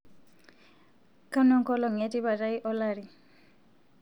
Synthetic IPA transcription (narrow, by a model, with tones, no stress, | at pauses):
ka˦nɔ˦ŋkɔ˦lɔ˨ŋɛti˦βa˨ɾajʔɔlaɾi˨